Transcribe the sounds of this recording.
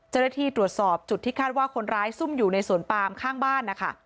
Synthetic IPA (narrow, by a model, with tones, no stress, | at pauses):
t͡ɕa˥˩na˥t̪ʰiː˥˩t̪ɾu˨˩ət̪̚sɔː˨˩p̚t͡ɕu˨˩t̪ʰːiː˥˩kʰaː˥˩t̪̚waː˥˩kʰo˧nɾaː˦˥jsu˥˩mjuː˨˩na˧jsu˨˩ənpaː˧mkʰaː˥˩ŋbaː˥˩nːa˦˥kʰa̰˦˥˩